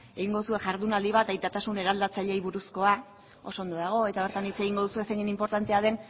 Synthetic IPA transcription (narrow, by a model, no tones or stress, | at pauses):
e̞ɣiŋɡo̞ðusue̞ʝaɾðunald̪iβ̞at̪ajt̪at̪asune̞ɾald̪at͡saʎe̞jβuɾusko̞a | o̞so̞nd̪o̞ðaɣ̞o̞e̞t̪aβe̞ɾt̪anit͡se̞ɣ̞iŋɡo̞ð̞usue̞seɣinimpo̞ɾt̪ant̪e̞aðe̞n